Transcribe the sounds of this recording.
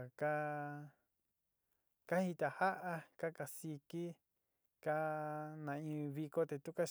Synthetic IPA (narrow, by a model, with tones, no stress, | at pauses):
ka˦ | ka˦hi˧t̪a˧ha˦ʔa˦ka˦ka˧si˧ki˦ | ka˦nã˧ĩ˧βi˧ko˦t̪e˧t̪u˦ka˦